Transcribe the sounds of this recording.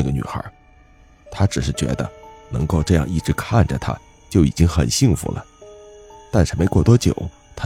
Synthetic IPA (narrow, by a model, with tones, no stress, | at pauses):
a˥˩ɡə˩ny̰˨˩xə̰˞˧˥ | t̪ʰa˥ʈ͡ʂɻ̩˨˩ʂɻ̩˥˩t͡ɕɥɛ̰˧˥d̪ə̰˧nɤ̰˧˥ŋko˥˧ʊʈ͡ʂɤ˥˧jɑ˥˧ŋi˥˩ʈ͡ʂɻ̩˧˥kʰa˥˩nʈ͡ʂə˩t̪ʰa̰˥ | t͡ɕjo˥˩ʊḭ˨˩t͡ɕi˥ŋxə̰˨˩nɕi˥˩ŋfṵ˧˥lə̰˧ | t̪a˥˧nʂɻ̩˥˩me˧˥ɪkwɔ˥˩t̪wɔ˥t͡ɕjo̰˨˩˦ʊ | t̪ʰa˥